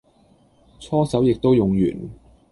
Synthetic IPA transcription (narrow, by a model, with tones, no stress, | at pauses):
t͡sʰɔː˥sɐ˨˥wjɪ˨k̚t̪o˥wjʊ˨ŋjy̰ː˨˩n